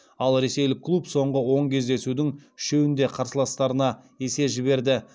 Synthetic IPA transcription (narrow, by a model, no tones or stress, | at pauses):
ɑlˠɾe̞se̞jlɪkʰːlˠupso̞ɴʁəwo̞ɴkʲʰe̞zd̪e̞sud̪ɪŋʃe̞wɪnd̪e̞qʰɑɾsəlˠɑst̪ɑɾənɑ | e̞se̞ʒɪβe̞ɾd̪ɪ